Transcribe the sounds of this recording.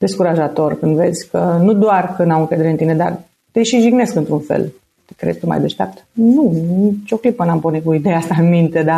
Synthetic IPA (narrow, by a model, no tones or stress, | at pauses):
d̪e̞skuɾaʒat̪o̞rkɨnd̪ve̞̰zʲkənud̪oarkɨnd̪awɨŋkɾed̪eeɨnt̪ine̞d̪a̰r | t̪eʃiʒiɡne̞skɨnt̪ɾunfḛl | t̪e̥kɾḛzʲt̪uma̰jd̪eʃt̪ea̰p̚t̪nunit͡ʃo̞klipənamponikuid̪ejasanmint̪e̞d̪a